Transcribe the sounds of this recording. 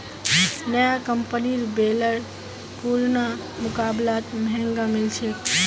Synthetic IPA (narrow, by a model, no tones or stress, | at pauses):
nəjakəmpniɾbeləɾ | puɾna | mʊkablat̪mɛ̃ŋɡamilt͡ʃʰɛ